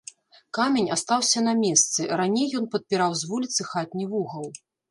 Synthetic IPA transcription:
kamʲenʲast̪awsʲɐnɐmʲɛst̪sɨɾanʲejːɔnpɐt̪̚pʲiɾawzʲvulʲit̪sɨxat̪ʲnʲivuɣɐw

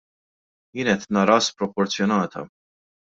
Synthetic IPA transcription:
jɪːnɛt̪nɐɾɐspɾɔpɔɾt͡sjɔnɐːt̪ʰɐ̰

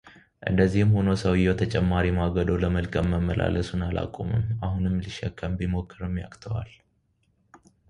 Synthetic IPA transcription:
ʔɨ̰nd̪əzːihɨmho̞nosəwjot̪ʰət͡ʃʼɛmːaɾimaɡəd̪oləməlkʼəmːəmːəlʔa̰ləsunala̰kʼːumɨ̰mahunɨmliʃɛkʰʼːəmbimo̞kːɨɾɨmja̰kʼt̪ʰəwal

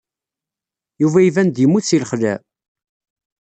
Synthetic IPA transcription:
juvæivænd̪imːuθt͡sːiləχlæ

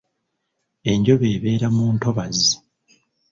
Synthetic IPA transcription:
e̞ɲɟo̞βe̞ːβe̞ːɾamuːnto̞βazi

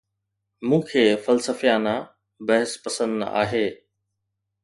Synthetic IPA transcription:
mũːkʰeːfɐlsəfjaːna | bɐɦɪspɐsə̃nd̪a̰ːɦeː

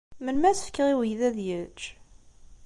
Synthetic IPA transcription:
mənmæsə̥fkːəʁiwəjðæðjət͡ʃː

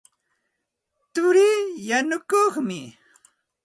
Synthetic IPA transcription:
t̪ʊɾiːjanʊkoχmɪ

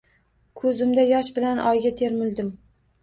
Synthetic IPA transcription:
kʰɵzɪmd̪ajɒʃbɪlanʔɒjɡʲat̪ʰeɾmʊlˠd̪ɪm

